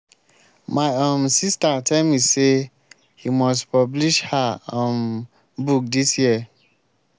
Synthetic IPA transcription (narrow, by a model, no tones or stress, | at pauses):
maɪãmsistatʰɛlmise | himɔstpɔbliʃhaɔ̃n | buk̚disjiə